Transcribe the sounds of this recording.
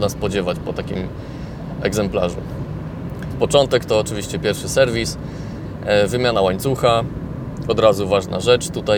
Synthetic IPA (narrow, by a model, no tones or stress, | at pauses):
naspɔd͡ʑɛvat͡ɕpɔt̪akʲḭm | ɛ̰ɡzɛmpla̰ʐṵ | pɔt͡ʂɔnt̪ɛkt̪ɔːt͡ʂɘvʲiɕt͡ɕɛpʲjɛɾfʂɘsɛɾvʲis | vɘmʲjanawaɲt̪suxa | ɔd̪ɾazuvaʐna̰ʐɛt͡ʂt̪ut̪a